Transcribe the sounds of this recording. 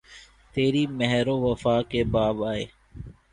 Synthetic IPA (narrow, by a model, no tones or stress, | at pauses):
t̪eːɾiːmɛɦɾõːʋəfaːkebaːbaːḛː